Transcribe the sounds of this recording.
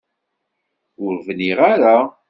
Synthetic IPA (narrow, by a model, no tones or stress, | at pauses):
ʊɾvniʁaɾa